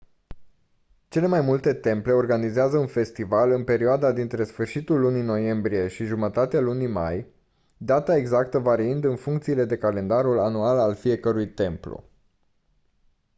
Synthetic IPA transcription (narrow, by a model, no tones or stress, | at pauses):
t͡ʃe̞le̞majmult̪e̞t̪e̞mple̞o̞rɡanizeazəunfe̞st̪ivalɨnpe̞ɾioad̪ad̪int̪ɾe̞sfɨrʃit̪ulːunino̞je̞mbɾije̞ʃiʒumət̪at̪ealunima̰j | d̪at̪ae̞ɡzakt̪əvaɾiɨnd̪ɨnfuŋkt̪siːle̞d̪e̞kale̞nd̪aɾulanualalfie̞kəɾujt̪e̞mplo̰